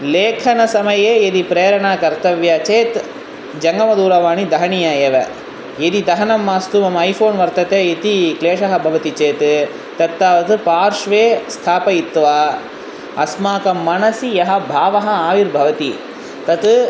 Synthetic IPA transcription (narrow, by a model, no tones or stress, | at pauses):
leːkʰɐnɐsɐmɐjeːjed̪ipɾeːɾɐɳaːkɐɾt̪ɐʋjɐt͡ʃeːt̪ | d͡ʒɐŋɡɐmɐd̪uːɾɐʋaːɳid̪ɐɦɐɳijaːjeːʋɐ | jed̪id̪ɐɦɐnɐmːaːst̪umɐmɐɐjfʰoːnʋɐɾt̪ɐt̪eːet̪ikleːʂɐɦɐbʱɐʋɐt̪it͡ʃeːt̪ː | ɐt̪ːaːʋɐt̪ɨpaːɾʃʋeːst̪ʰaːpɐit̪ːʋa | ɐsmaːkɐmːɐnɐsijɐɦɐ̆bʱaːʋɐɦɐaːʋiɾbʱɐʋɐt̪i | t̪ɐt̪